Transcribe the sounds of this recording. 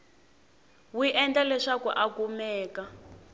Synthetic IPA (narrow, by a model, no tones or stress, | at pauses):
wiʔɛnd͡ɮalɛʂakṵʔakumɛːka